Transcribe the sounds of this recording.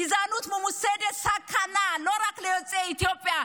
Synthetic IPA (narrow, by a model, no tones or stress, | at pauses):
izanut̪ʰmʊmusedɛsakʰanalɔɾakʰlɛjɔt͡sʼeit̪ʰiopʼia